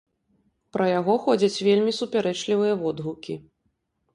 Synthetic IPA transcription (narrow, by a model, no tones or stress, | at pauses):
pɾɐjaɣɔxɔd͡zʲɐt͡sʲvʲelʲmʲisupʲaɾɛt͡ʂlʲivɨjɐvɔd̪ɣukʲi